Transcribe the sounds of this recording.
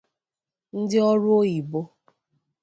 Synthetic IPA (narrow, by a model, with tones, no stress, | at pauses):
n̩˦dɪ˦ɔ˦ɾʊ˦o˦i˨bo˦